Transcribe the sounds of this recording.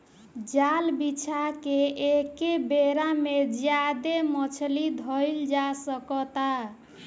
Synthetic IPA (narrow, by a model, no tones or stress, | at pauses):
d͡ʒalbit͡ʃʰakeekebeɾamed͡ʒjad̪emət͡ʃʰlid̪ʱəjld͡ʒasəkɔt̪a